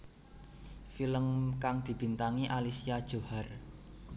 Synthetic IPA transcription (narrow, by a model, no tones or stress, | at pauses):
filəŋkaŋd̪̥i̤b̥i̤nt̪aŋiʔalisiad̥ʒ̥o̤har